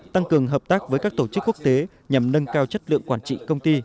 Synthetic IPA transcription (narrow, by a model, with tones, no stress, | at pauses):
t̪a˧ŋkɨ˨˩əŋɦəː˨˩p̚t̪aː˦˥k̚vəː˨˦jkaː˦˥k̚t̪o˧˩t͡ɕɨ˦˥kːu˦˥ək̚t̪e˨˦ | ɲa˨˩mnə˧ŋkaː˧wt͡ɕə˦˥t̚lɨ̰˧˨əŋkwaː˧˩nt͡ɕḭ˧˨kə˧wŋ͡mt̪i˧